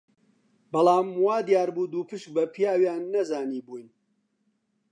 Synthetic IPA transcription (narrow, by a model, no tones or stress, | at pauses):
bɐlaːmwaːd̪ijaːɾbuːd̪uːpɨʃk̚bɐpʰijaːwjaːnːɐzaːniːbuːjn